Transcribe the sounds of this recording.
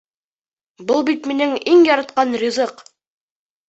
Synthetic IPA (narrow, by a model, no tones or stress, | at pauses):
bɤlˠbit̪minɘŋiŋjɒɾɑt̪qɑnrʲizɤq